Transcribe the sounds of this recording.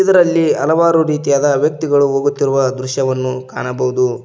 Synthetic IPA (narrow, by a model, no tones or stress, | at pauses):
id̪ɐɾɐlːiɐlɐʋaːɾuɾiːt̪ijaːd̪ɐʋjɐk̚t̪iɡɐɭuɦoːɡut̪ːiɾuʋɐd̪ɾuʃjɐʋɐnːukaːɳɐbɐɦud̪u